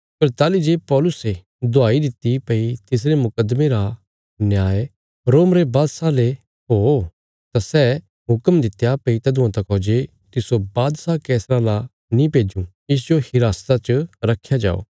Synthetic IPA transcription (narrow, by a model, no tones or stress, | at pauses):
pɐɾt̪aːlid͡ʒeːpɔːlʊse | d̪ʱoaːid̪ɪt̪ipɐit̪ɪs̬ɾemʊkəd̪meɾa | njaːe | ɾoːmɾebaːd̪sale | ɦoː | t̪asɛ | ɦʊkəmd̪ɪt̪japɐit̪ɐd̪ʊ̃ãt̪ɐkɦoːd͡ʒe | t̪ɪsobaːd̪sakɛːsɾala | nĩpeːd͡ʒũ | ɪs̬d͡ʒohɪɾaːst̪at͡ʃəɾɐkʰːjad͡ʒa̰ːo̰ː